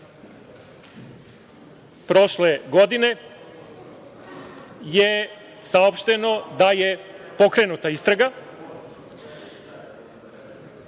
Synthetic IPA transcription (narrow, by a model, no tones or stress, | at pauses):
pɾo̞ʃle̞ɡo̞d̪ine̞ | je̞ | sao̞pʃt̪e̞no̞d̪aje̞po̞kɾe̞nut̪aist̪ɾaɡa